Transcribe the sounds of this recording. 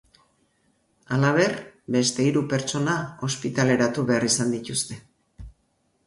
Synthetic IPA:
alaβ̞e̞rbe̞st̪e̞iɾupe̞ɾt͡ʃo̞nao̞spit̪ale̞ɾat̪uβe̞arisand̪it̪ust̪e̞

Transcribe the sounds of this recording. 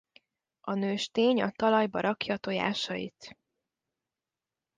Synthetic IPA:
ɒnøːʃt̪eːɲɒt̪ɒlɒjbɒɾʔɒkjɒːt̪o̞ja̰ːʃɒjḭt̪

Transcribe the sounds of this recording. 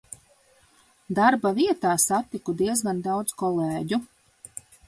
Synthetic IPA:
d̪aɾbaviɛt̪aːsat̪ikud̪iɛzɡand̪awd̪zkɔlˠeːɟu

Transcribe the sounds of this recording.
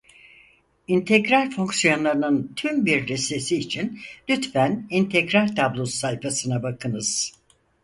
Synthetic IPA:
int̪ʰɛkɾaɾfo̞ŋksijo̞nlˠaɾɯnɯnt̪ʰymbiɾːɛse̞siːt͡ʃʰinlʲyt̪fænint̪ʰɛcɾaɾt̪ʰablˠusːajfasɯnabakʰɯnɯz̥

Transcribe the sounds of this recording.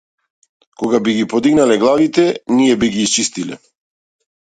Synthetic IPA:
kɔɡabiɡipɔd̪iɡnalɛɡlˠavit̪ɛnijɛbiɡiːst͡ʃist̪ilɛ̰

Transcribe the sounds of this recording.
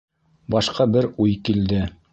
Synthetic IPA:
bɑʃqɑbɘɾujkild̪ɘ

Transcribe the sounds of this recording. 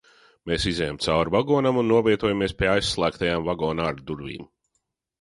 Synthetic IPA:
meːsizɛjamt̪sawɾvaɡɔːnamunːuɔvʲiɛt̪uɔjamiɛspʲiɛajsːlˠæːkt̪ajaːmvaɡɔːnaːɾd̪uɾvḭːm

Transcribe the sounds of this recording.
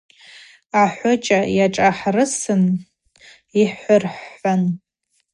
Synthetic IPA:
aħʷʊt͡ʃʼajaʈ͡ʂʼaħrɨsɨn | iħʷʊrħan

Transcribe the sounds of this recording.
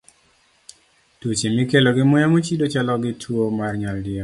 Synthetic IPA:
tot͡ʃemikeloɡɪmʊjamot͡ʃidot͡ʃalɔɡɪtʰwomarɲaldɪa

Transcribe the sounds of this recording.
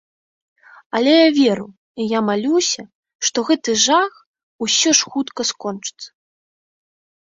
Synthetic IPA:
ɐlʲɛjavʲeɾu | ijamalʲusʲɐ | ʂt̪ɔɣɛt̪ɨʐax | usʲɔʂxut̪kɐskɔnt͡ʂɨ̥t̪sːɐ̥

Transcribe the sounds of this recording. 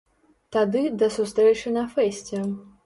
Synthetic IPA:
t̪ad̪ɨd̪ɐsust̪ɾɛt͡ʂɨnɐfɛsʲt͡sʲɛ

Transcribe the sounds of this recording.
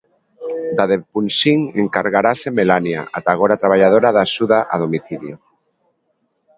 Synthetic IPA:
d̪aðepunʃiŋeŋkaɾɣaɾasemelanja̰ʔat̪aɣ̞oɾat̪ɾaβ̞aʎaðoɾaðaʃuðaʔa̰ðomiθiðjo

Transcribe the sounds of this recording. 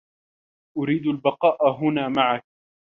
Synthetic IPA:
ʔʊɾiːd̪albɑqɑːʔɦʊnaːmaʕak̚

